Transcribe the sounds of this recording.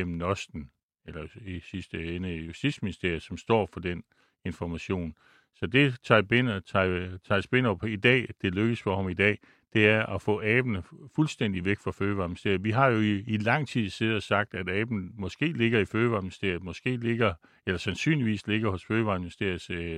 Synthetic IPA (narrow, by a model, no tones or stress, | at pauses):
emnɒ̽sd̥n̩ | elɐisisd̥əenəijusd̥id̥sminisd̥e̝ɐ̰j̩ˠsɒ̽msd̥ɒ̰ːfɒ̽d̥en | e̝nfɒmæɕo̝̰ːn | sɒ̽d̥e̝t͡sʰɑ̈benʰ | t͡sʰɑ̈sb̥e̝n̰ɒpʰid̥ɛ̰ːd̥e̝løɡ̥əsfɒ̽hɑ̈mid̥ɛ̰ː | d̥e̝æɐʔɒfɔ̰̽ːɛːb̥nəfulsd̥en̰d̥iʋeɡ̥fʁɑ̈føːʋɑ̈ːmisd̥e̝ɐjʋiɦɑ̈jo̝iilɑ̈ŋ̰t͡sʰið̰ˠse̝ð̩ˠɒsɑ̈ɡ̥̚d̥æd̥ɛːb̥nmɒ̽sɡ̥e̝̰ːle̝ɡ̥ɐiføːʋɑ̈minsd̥e̝ɐ̰ð̩ˠmɒ̽sɡ̥e̝̰ːle̝ɡ̥ɐ | elɐsænsy̰nliʋḭːsle̝ɡ̥ɐhɔ̽sføːʋɑ̈minisd̥e̝ɐ̰j̩se